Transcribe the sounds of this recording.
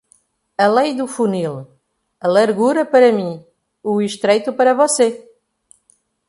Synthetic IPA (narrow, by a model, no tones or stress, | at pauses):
ɐlejd̪ufunil | ɐlˠɐɾɣuɾɐpɐɾɐmĩ | uiʃt̪ɾejt̪upɐɾɐvɔse